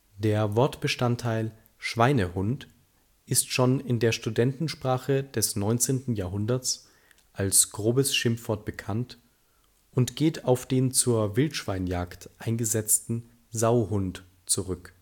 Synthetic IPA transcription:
d̥eːɐvɔɐtb̥əʃtantʰːaɪl | ʃv̥aɪnəhʊnt | ʔɪstʃoːnɪndeːɐʃtudɛntn̩ʃpʁ̥aːχədɛsnɔʏnt͡seːntn̩jaːɐɦʊndɐt͡s | ʔalsɡ̥ʁoːbəsʃɪmfv̥ɔɐt̚b̥əkʰant | ʔʊntɡ̥eːtʰaʊfd̥eːnt͡suːɐvɪltʃv̥aɪnjaːktʔaɪnɡəzɛt͡stn̩ | zaʊhʊnt | t͡suʁʏk

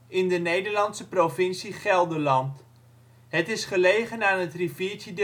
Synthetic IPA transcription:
ɪndənejdəɹlɑntsəprofɪnsiχɛlˠdəlɑnt | ɦətɪsχəlejχənaːnətrifiːtjəd

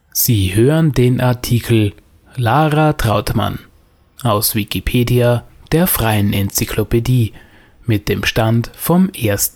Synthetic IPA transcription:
z̥iːhøːʁəndeːnʔaɐtʰiːkʰl̩ | laːʁatʁ̥aʊtma̰n | ʔaʊsv̥ikipʰeːdiad̥eːɐfʁ̥aɪənʔɛnt͡sikʰlopediː | mɪt̚d̥eːmʃtantfɔmʔeːɐstn̩

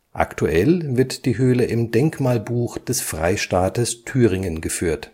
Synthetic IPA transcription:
ʔa̰ktʰuʔɛlvɪɐtd̥iːɦøːləʔɪmdɛŋkmaːlbuːxd̥ɛsfʁ̥a̰ɪʃtaːtəstʰyːʁɪŋənɡəfyːɐt

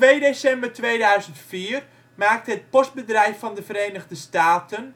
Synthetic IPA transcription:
tʋejdesɛmbərtʋeːjdœɥzəntfiːər | maːk̚təɦət̚pɔst̚bədrɛjfːɑndəvəreːnəɣdəstaːtən

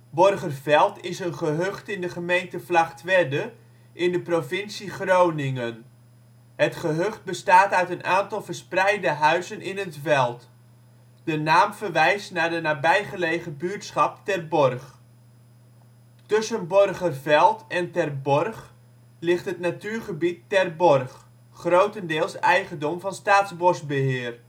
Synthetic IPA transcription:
bɔrχərvɛlˠtɪsənχəɦøχtɪndəχəmejntəflaχtʋɛdə | ʔɪndəprovɪnsiχrownɪŋən | hətχəɦøχt̚bəstaːtœɥtənʔaːntɑlˠvərsprɛjdəɦœɥzənɪnətfɛlˠt | d̥ənaːmvərʋɛjstnaɹdənaːbɛjχəlejχəbyːɹtsχɑp̚tɛrbɔrχ | tɵsənbɔrχərvɛlˠtɛntɛrbɔrχ | lɪχtɦətnatyːɹχəbitːɛrbɔrχ | χrowtəndɪːlˠsɛjχəndɔmvɑnstaːtzbɔrsbəɦɪːər

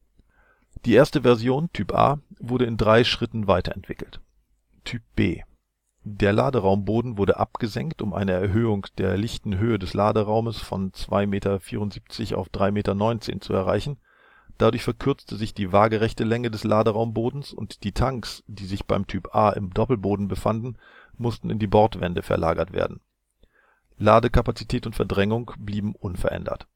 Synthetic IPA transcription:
d̥iːʔeːɐstəvɛɐzjoːntʰyːpʔa̰ːvʊɐɾəɪndʁaɪʃʁ̥ɪtn̩vaɪtɐ̰ɛ̰ntv̥ɪkl̩t | tʰyːp̚b̥ḛː | deːɐla̰ːdəʁaʊmboːdn̩vʊɐɾəʔa̰p̚ɡ̥əzɛŋktʊmʔa̰ɪnəɛɐɦøːʊŋd̥eːɐlɪçtn̩ɦøːədɛslaːdəʁaʊməsfɔ̰nt͡sv̥a̰ɪmeːtɐfiːʁʊntz̥iːp̚t͡sɪça̰ʊfd̥ʁaɪmeːtɐnɔʏnt͡sḛːnt͡suɛɐʁa̰ɪçn̩ | d̥adʊɐçfɛɐkʰʏɐt͡stəzɪçd̥iːvaːɡəʁɛçtəlɛŋədɛslaːdəʁaʊmboːdn̩sʊ̰ntd̥iːtʰaŋksd̥iːzɪçb̥aɪmtʰyːpʔaːʔɪ̰mdɔpl̩boːdn̩bəfandn̩ | mʊstn̩ɪndiːbɔɐtv̥ɛndəfɛ̰ɐla̰ːɡɐtv̥ḛːɐdn̩ | laːdəkʰapat͡sitʰɛːtʊntfɛɐdʁɛŋʊŋbliːbm̩ʔʊnfɛɐʔɛ̰ndɐ̰t

